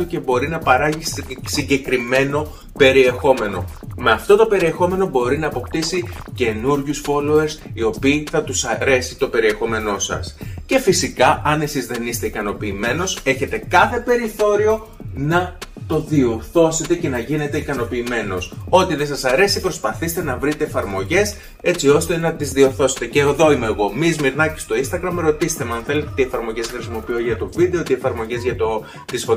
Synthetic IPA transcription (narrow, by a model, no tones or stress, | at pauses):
oce̞bo̞ɾinɐpɐɾɐʝissiɲɟe̞kɾime̞no̞ | pe̞ɾie̞xo̞me̞no̞̰ | meɐft̪o̞t̪o̞pe̞ɾiexo̞me̞no̞bo̞ɾinɐːpo̞pt̪isice̞nuɾʝusfo̞loeɾsio̞piːθɐt̪usɐɾe̞sit̪o̞pe̞ɾie̞xo̞me̞no̞sɐ̰sce̞fisikɐʔɐne̞sizðe̞nist̪e̞ikɐno̞piːme̞no̞se̞çe̞t̪e̞kɐθe̞pe̞ɾiθo̞ɾio̞ | nɐt̪o̞ðio̞ɾθo̞se̞t̪e̞ce̞nɐʝine̞t̪e̞ikɐno̞piːme̞no̞so̞t̪iðe̞sɐsɐɾesipɾo̞spɐθist̪e̞nɐvɾit̪eːfɐɾmo̞ʝe̞s | e̞t͡sio̞st̪e̞nɐt̪izðio̞ɾθo̞set̪e̞ceːðo̞ime̞ːɣo̞mizmiɾnɐcest̪o̞inst̪ɐɣɾɐmeɾo̞t̪ist̪emɐɐnθe̞let̪et̪iefɐɾmo̞ʝe̞sxɾisimo̞pioʝɐt̪o̞viðe̞o̞t̪iefɐɾmo̞ʝe̞zʝɐt̪o̞ | t̪isfo